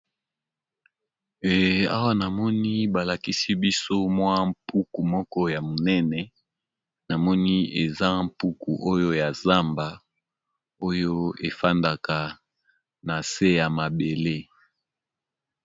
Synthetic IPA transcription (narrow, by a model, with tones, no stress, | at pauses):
a̰˦wa˦na˨mɔ˦ni˦ba˨la˨ki˦si˦bi˦so˦mwa˦m̩pu˦ku˨mɔ˦kɔ˦ja˨mo˨nɛ˦nɛ˨ | na˨mɔ˦ni˦e˨za˦m̩˦pu˦ku˨ʔo˦jo˦ja˨za˦mba˨ | o˦jo˦e˨fa˦nda˨ka˨ | na˨se˦ja˨ma˨be˨le˦